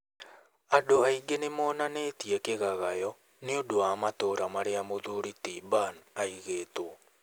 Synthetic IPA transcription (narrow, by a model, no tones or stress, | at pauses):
adoaiɡenemɔːnaneːtiɛkeɣaɣajɔ | neodoamatoːɾamaɾeamoðuɾitiːbanaiɣeːto